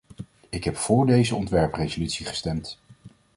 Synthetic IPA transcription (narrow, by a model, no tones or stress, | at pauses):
ɪkɦɛpfʊːɹdejzəɔntʋɛɹprejzolytsiχə̥stɛmt